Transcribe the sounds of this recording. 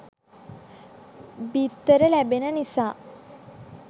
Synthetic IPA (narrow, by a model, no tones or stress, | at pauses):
bit̪ːəɾəlæbenənisaː